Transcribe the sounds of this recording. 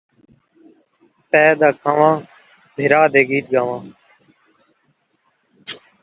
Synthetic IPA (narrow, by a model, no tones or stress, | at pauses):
p̪ɛːd̪aːkʰaːʋãː | bʱɪɾaːd̪eːɡiːt̪̚ɡaːʋãː